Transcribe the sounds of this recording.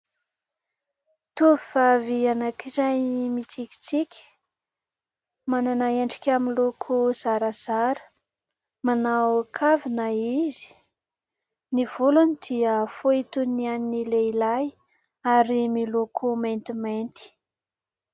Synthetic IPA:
t̪uviv̥avianakiɾajmit͡siki̥t͡sikʲi̥ | mananaeɳɖ͡ʐikʲaminlokʰuz̥aɾəz̥aɾə̥ | manawkʰavinaizi̥ | niv̥ulunid̪iəfuit̪unianinileilaj | aɾimilokʰument̪iment̪i̥

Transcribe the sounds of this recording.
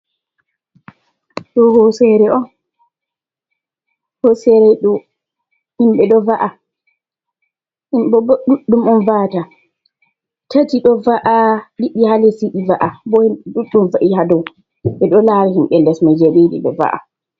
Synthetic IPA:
ɗɔhɔsɛɾɛʔɔn | hɔsɛɾɛjɗɔ | himɓɛɗɔvaʔa | himɔɗuɗːumɔnvata | tʰatiɗɔvaʔaɗiɓːihalesiʔivaʔabɔɗuɗːumvaʔihadɔw | ɓɛɗɔlaɾihimɓɛlɛsmad͡ʒeɓiɗḭɗɔ̰va̰ʔa̰

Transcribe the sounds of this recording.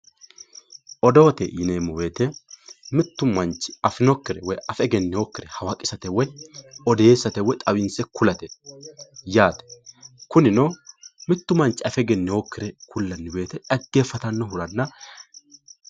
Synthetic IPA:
ʔɔd̪o̞ːt̪ɛ̰jɪneːmːɔwe̞ːt̪ɛmɪt̪ːʊmɐnt͡ʃːɪ̥ɐfɪnɔkːɪɾɛwɔjɐfɛɡɛnːɪwoːkːɪɾɛhɐwɐkʼɪsɐt̪ɛwɔjɔd̪e̞ːsːɐt̪ɛwɔt̪ʼɐwɪnsɛkʊlɐt̪ɛ | jaːt̪ɛ̥kʊnɪnomɪt̪ːʊmɐnt͡ʃːɪɐfɛɡɛnːɪwoːkːɪɾɛkʊlːɐnːɪwe̞ːt̪ɛᶑɐɡːe̞ːfːɐt̪ɐnːɔɦʊɾɐnːɐ

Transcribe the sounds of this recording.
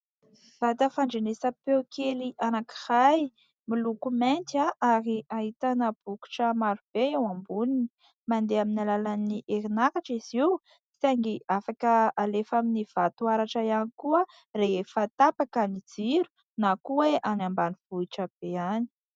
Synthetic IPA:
v̥at̪əfaɳɖ͡ʐenesəpewkʰeliʔanaki̥haj | milukument̪aʔaɾiaɦit̪anəb̥uku̥ʈ͡ʂəmaɾub̥eewambunini̥ | mand̪eaminalalaniʔeɾinakaʈ͡ʂiz̥iw | isaŋɡiafakəalefaminiv̥at̪uaɾaʈ͡ʂəianikuə | reɦefət̪apakənid͡ziɾu̥ | nakuweʔanambaniv̥uiʈ͡ʂəb̥eani̥

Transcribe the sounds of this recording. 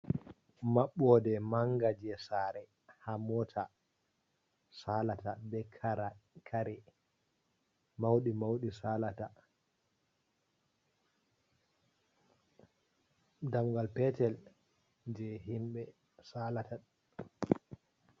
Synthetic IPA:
maɓːɔdɛmaŋɡad͡ʒɛsaːɾɛ | hamɔtʰa | salatabɛkʰaɾakʰaɾɛ | mawɗimawɗisalata | damɡalpɛtɛl | d͡ʒɛɦimɓɛ | saːlata

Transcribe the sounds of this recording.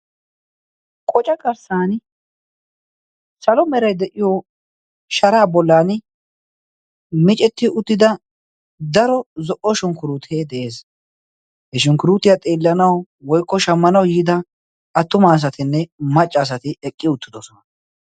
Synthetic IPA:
kʼɔt͡ʃʼɐkʼɐɾsaːn | sɐlɔmɛɾɐjd̪ɛʔɪjɔ | ʃɐɾaːbɔlːaːn | mɪt͡ʃʼɛt̪ːɪʔʊt̪ːɪd̪ɐ | d̪ɐɾɔzɔʔɔʃʊŋkʊɾuːt̪ʰeːd̪ɛʔe̞ːs | hɛʃʊŋkʊɾuːt̪ːɪjɐt̪ʼeːlːɐnɐw | wɔjkːɔʃɐmːɐnɐwjɪːd̪ɐ | ʔɐt̪ːʊmaːs̬ɐt̪ɪnːɛmɐt͡ʃʼːɐːs̬ɐt̪ɪɛkʼːɪʊt̪ːɪd̪ɔsɔnɐ

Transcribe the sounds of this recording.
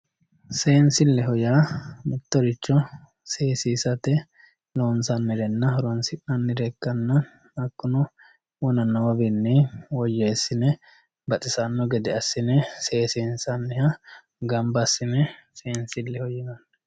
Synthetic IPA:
seːnsɪlːɛɦɔjaːmɪt̪ːɔɾɪt͡ʃːɔ | se̞ːsiːsɐt̪ɛ | loːnsɐnːɪɾɛnːɐhɔɾɔnsɪʔnɐnːɪɾɛkːɐnːɐ | ɐkːʊnɔ | wʊnɐnoːbɪnːɪwɔjeːsːɪnɛ | bɐt̪ʼɪsɐnːɔɡɛd̪ɛɐsːɪnɛseːsiːnsɐnːɛhɐ | ɡɐmbɐsːɪnɛseːnsɪlːɛhɔjɪnɐnːɐ

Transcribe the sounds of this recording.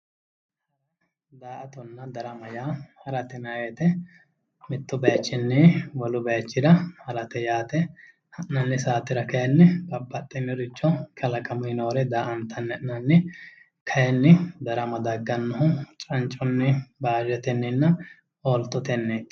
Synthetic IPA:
ɐɾɐ | d̪aːʔɐt̪ɔnːɐd̪ɐɾɐmɐjaːhɐɾɐt̪ɛnɐeːt̪ɛ | mɪt̪ːʊbɐjt͡ʃːɪnːɪwɔlʊbɐjt͡ʃːɪd̪ɐhɐɾɐt̪ɛjaːt̪ɛ | hɐʔnɐnːɪsaːt̪ːɪɾɐkɐjɛnːɪbɐbːɐt̪ʼːɪnːɪɾɪt͡ʃːɔkʰɐlɐkʼɐmʊhɪno̞ːɾɛd̪aːʔɐnt̪ʰːɐnːɛʔnɐnːɪ | kʰɐjɛnːɪd̪ɐɾɐmɐd̪ɐɡːɐnːɐɦʊt͡ʃʼɐnt͡ʃʼːɔnːɪbaːd͡ʒɛt̪ɛnːɪnːɐ | oːlt̪ɔt̪ɛnːeːt̪ː

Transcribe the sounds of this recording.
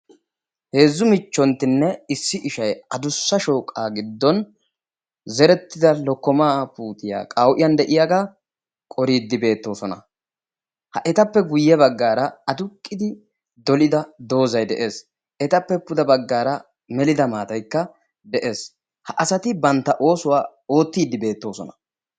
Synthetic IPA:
he̞ːzːʊmɪt͡ʃːɔnt̪ːɪnːɛɪsːɪʔɪʃɐjɐd̪ʊsːɐʃo̞ːkʼːaːɡɪd̪ːɔn | zɛɾɛt̪ːɪd̪ɐlɔkːɔmaːpuːt̪ɪja̰ːkʼɐwʔɪjɐnd̪ɛʔɪjaɡa | kʼɔɾiːd̪ːɪbe̞ːt̪ːo̞ːsɔnɐ̰ | hɐʔɛt̪ɐpːɛɡʊjːɛbɐɡːaːɾɐɐd̪ʊkʼːɪd̪ɪ | d̪ɔlɪd̪ɐd̪o̞ːzɐjd̪ɛʔe̞ːs | ʔɛt̪ɐpːɛpʊd̪ɐbɐɡːaːɾɐ | mɛlɪd̪ɐmaːt̪ɐjkːɐ | d̪ɛʔe̞ːs | hɐʔɐsɐt̪ɪbɐnt̪ːɐʔo̞ːsʊwaː | o̞ːt̪ːiːd̪ːɪbe̞ːt̪ːo̞ːsɔnɐ

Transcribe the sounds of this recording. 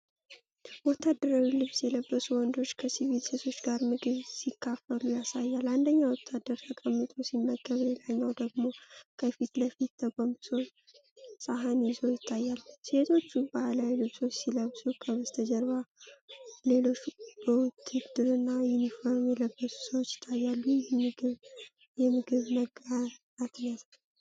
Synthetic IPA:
wɔt̪ʰːad̪ːəɾawilɨβsjɛləbːəsuwɔnd̪o̞t͡ʃːkʰəsiβit̪set̪ʰo̞t͡ʃːɡaɾmɨɡɨβsikːafəlujasajːaland̪əɲːawɔt̪ʰːad̪ːəɾt̪ʰəkʼəmːɨt̪ʼosimːəɡəβlelaɲːawd̪əɡmo̞kʰəfit̪ləfit̪ːʰəkʼomso | sʼaɦanjɪzojɪt̪ʰːajːalːset̪ʰo̞t͡ʃːubalajlɨβso̞t͡ʃːsiləβsukʰəβəst̪ʰəd͡ʒəɾβa | le̞lo̞t͡ʃːbəwʊt̪ʰːɨd̪ɨɾɨnːajunifoɾmjɛləbːəsu̥səwot͡ʃːjɪ̥t̪ʰːajːalːumɨɡɨβ | jɛmɨɡɨβnəɡə | at̪nət̪ʰa

